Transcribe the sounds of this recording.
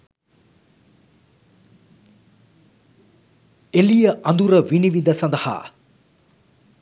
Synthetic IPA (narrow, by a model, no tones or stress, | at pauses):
elijəʔand̪uɾəʋiniʋid̪əsand̪ɐha̰ː